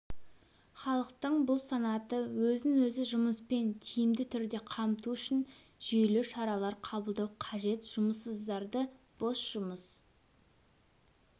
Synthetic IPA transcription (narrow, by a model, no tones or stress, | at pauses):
χɑlˠəqt̪əɴbʊlˠsɑnɑt̪əwɵzɪnwɵzɪʒʊməspe̞nt̪ʰijɪmd̪ɪt̪ʰʏɾd̪e̞qʰɑmt̪uʏʃɪn | ʒ̥ʏjlɪʃɑɾɑlˠɑɾqʰɑbəlˠd̪ɑwqʰɑʒe̞t̪ʒ̥ʊməsəzd̪ɑɾd̪ə | b̥o̞sʒ̥ʊməs